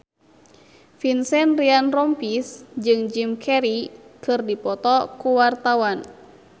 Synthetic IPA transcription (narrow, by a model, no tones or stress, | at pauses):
finsɛnrianrɔmpisd͡ʒɨŋd͡ʒimkʰɛɾikɨrdipɔt̪ɔkuwart̪awan